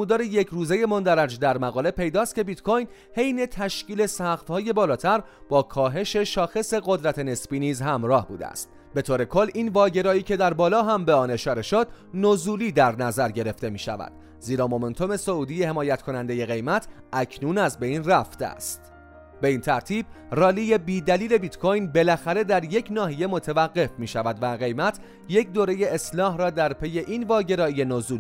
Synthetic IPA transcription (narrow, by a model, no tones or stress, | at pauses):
muːd̪ɒːɾeje̞cʰɾuːze̞je̞mond̪æɾæd͡ʒd̪æɾmæɣɒːle̞pʰe̞jd̪ɒːst̪kcʰe̞bit̪kʰojn | he̞jne̞t̪ʰæʃciːle̞sæxt̪hɒːje̞bɒːlɒːt̪ʰæɾb̥ɒːkʰɒːɦe̞ʃe̞ʃɒːxe̞se̞ɣo̞d̪ɾæt̪ʰe̞ne̞sbiːniːzhæmɾɒːhbṵːd̪ḛæ̰st̪̚ | be̞t̪ʰoːɾe̞kʰo̞lːinvɒːɟe̞ɾɒːiːcʰe̞d̪æɾbɒːlɒːɦæmbeɒːne̞ʃɒːɾe̞ʃod̪nozuːliːd̪æɾnæzæɾɟe̞ɾe̞ft̪e̞miːʃæ̰væ̰d̪̥ | ziːɾɒːmo̞ment̪ʰo̞me̞so̞uːd̪ijehe̞mɒːjæt̪kʰo̞nænd̪e̞je̞ɣe̞jmæt̪ʰ | ʔæcʰnuːnæzbe̞ijnræft̪eæ̰st̪ | be̞iːnt̪ʰæɾt̪ʰiːb̚rɒːlije̞biːd̪æliːle̞bit̪kʰojnbe̞læxæɾe̞d̪æɾje̞cʰnɒːɦije̞mo̞t̪ʰevæɡɢːe̞fmiːʃævæd̪væɣe̞jmæt̪ʰ | je̞cd̪oːɾe̞je̞eslɒːhrɒːd̪æɾpʰe̞je̞ʔiːnvɒːɟe̞ɾɒːije̞nozuːl